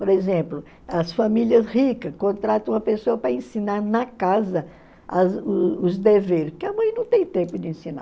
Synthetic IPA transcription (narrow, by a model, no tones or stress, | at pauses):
poɾezẽplʊ | ɐsfamiliɐshikɐskõt̪ɾat̪ɐ̃w̃ũmɐpesoɐpɾɐẽsinaɾnɐkazɐ | ɐzʊʊzd̪eveɾkɪɐmɐ̃j̃nɐ̃w̃t̪ẽj̃t̪ẽmpʊd͡ʒɪẽsĩna̰